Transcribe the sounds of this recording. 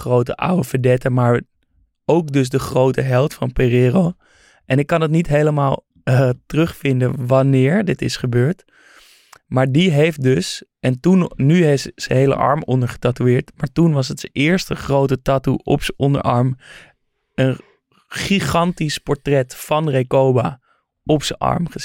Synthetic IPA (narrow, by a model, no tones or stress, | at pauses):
χrowtə̰ʔa̰wəfədɛtəmaːɹ | owkdɵsdəχrowtəɦɛlˠtfɑnperɪːrow | ʔɛnɪkːɑnət̬nitɦejləmaːlˠ | ətərʏχfɪndəʋɑnɪːɹdɪtɪsχəbøːɹt | maːɹdiɦejft̚dɵsɛntunnyɦejftsəɦejlə̰ʔɑ̰ɹmɔndəɹχə̥tatuɪːɹtmaːɹtunʋɑs̬ətsəʔɪːɹstəχrowtətaːtuʔɔ̰psəʔɔndə̰ɹʔɑ̰ɹm | ən | χiχɑntispɔɹtrɛtfɑnrejkowbaː | ʔɔpsəʔɑ̰ɹmχəs